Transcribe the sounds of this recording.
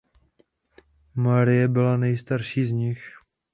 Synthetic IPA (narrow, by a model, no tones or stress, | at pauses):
maɾɪjɛbɪlanɛjst̪aɾʃiːzɲɪx